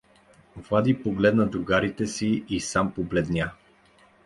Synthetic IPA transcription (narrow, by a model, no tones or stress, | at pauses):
vad̪ipoɡlɛd̪nɐd̪ɾuɡaɾit̪ɛsiisampoblɛd̪nʲja